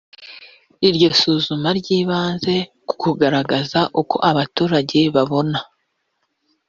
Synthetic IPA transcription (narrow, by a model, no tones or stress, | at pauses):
iɾɟo̞suːzumaɾɟiːβaːnze̞ku̥kuɡaɾaɡazaʔuko̞ʔaβatuːɾaɟe̞βaβo̞na